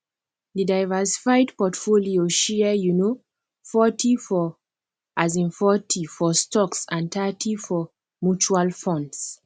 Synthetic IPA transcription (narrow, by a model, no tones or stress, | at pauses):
didajvɛsi̥fajdpɔtfolioʃɛəjuno | fɔtʰifɔ | ʔazĩnfɔtʰifɔstɔksãntʰatʰifɔ | mut͡ʃualfɔ̃nds